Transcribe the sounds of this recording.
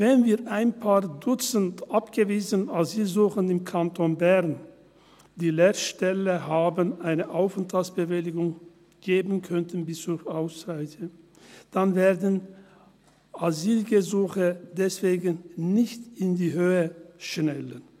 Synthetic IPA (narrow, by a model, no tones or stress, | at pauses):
vɛnviːʔaɪnpʰaːɐdʊt͡səntʔapɡ̥əviːzənaziːlzuːxənɪmkʰantʰonbɛʁn | d̥iːleːʃtɛləhaːbənʔaɪnəʔaʊfəntʰalt͡ssb̥əvɪlɪɡʊŋ | ɡ̥eːbənkʰœntən̩bɪst͡suaʊsʁaɪçə | d̥anveːɐdən | ʔaziːlɡəzuːxədɛsv̥eːɡənnɪçtɪndiːhøːəʃnɛlən